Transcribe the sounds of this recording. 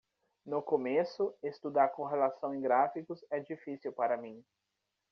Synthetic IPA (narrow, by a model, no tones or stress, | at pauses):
nʊkomesʊest̪ud̪aɾkõɦelasɐ̃w̃ẽj̃ɡɾafikʊzɛd͡ʒifisiwpaɾɐmĩ